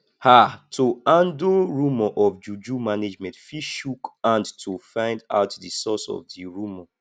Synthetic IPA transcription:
hatʰoãndoɹumɔʔɔfd͡ʒud͡ʒumaned͡ʒmɛ̃ntfiʃukãndtʰufãɪ̃nda̰ʊtdisɔsɔ̰vdiɹumɔ

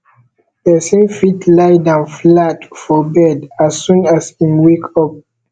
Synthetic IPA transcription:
əsẽmfitʰlaɪdãnflatfɔbɛdasːũnasĩnwekʰɔp̚

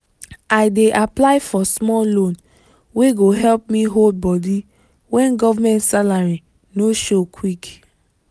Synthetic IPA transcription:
aɪdeʔaplaɪfɔsmɔlõn | weɡoɦɛlp̚mĩɦold̚bɔdi | wɛ̃nɡɔvamɛ̃ntsalaɹi | noʃokʰwik

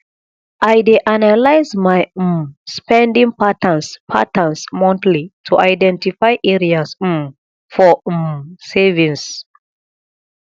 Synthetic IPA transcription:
ʔajdeʔanalaɪsmaj̩mspɛ̃ndĩŋpatãnspʰa̰tãnsmɔ̃ntlitʰuʔaɪdɛ̃ntifaɪʔeɹias̩m | fɔmsevĩŋs

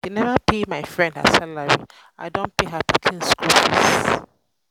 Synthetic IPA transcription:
denɛvapʰemaɪfɹɛ̃nda̰salaɹḭ | aɪdõnpeɦatʰutʰĩnskulpʰḭs

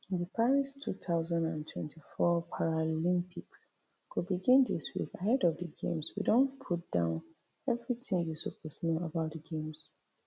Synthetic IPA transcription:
dəpʰaɹistʰutʰaʊzãndã̰ntʰwɛ̰̃ntʰifɔpʰaɹalĩmpʰiks | kʰubiɡĩndḭswḭkahɛdɔvdəɡḛ̃mswḭdõnpʰut̚d̥ã̰ʊ̃n | ɛvɹitĩŋjisupʰɔsnoabaʊtdəɡẽms

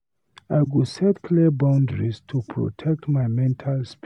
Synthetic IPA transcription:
ajɡusɛtkʰlibãʊ̃ndɹistʰupʰɹo̰tʰɛk̚tmaɪmɛ̃ntʰalsp

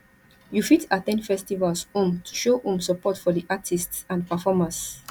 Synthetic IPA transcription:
jufitatɛ̃nfɛstivalshõmtʰu̥ʃohũmsəpɔtfɔdiʔatʰistsãnpafɔmãns

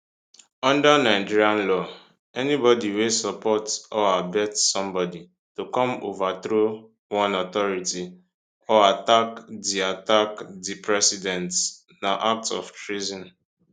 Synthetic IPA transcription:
ɔ̃ndanaɪd͡ʒiɹiãnlɔ | ɛnibɔdiwesɔpɔtɔabɛtsɔ̃mbɔdi | tukɔ̃mo̰vat̪ɾo | wɔ̃nɔt̪ɔɹiti | ɔatakdiatakdipʰɹɛsidɛ̃nt | naʔak̚tsɔ̰ftɹizɔ̃n

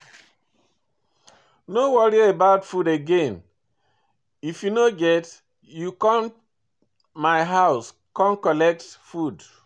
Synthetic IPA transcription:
nowɔɹiebaʊdfudeɡẽn | ifjunoɡɛt | jukɔ̃n | maɪɦaʊs | kɔ̃nkɔlɛk̚tfud

